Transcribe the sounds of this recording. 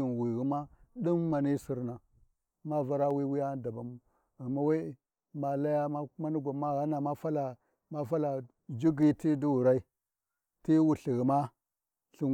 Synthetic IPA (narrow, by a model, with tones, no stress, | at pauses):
i˨nwi˨ɣi˦ma˦ɗi˦mma˨ni˦si˨ɾna˨ | ma˦va˦ɾa˦wi˦wi˦ja˦da˨ba˨mu˦ | a˨ma˦wa˦ | ma˨la˦ja˦ma˦ma˦ni˦ɡʷa˨ma˦ɣa˦na˨ma˦fa˦la˨ | ma˦fa˦la˨ | d͡ʒi˦ɡi˦ti˦du˦wu˨ɾa˦i˦ | ti˦wu˨ɬi˨ɣi˨ma˦ | ɬi˨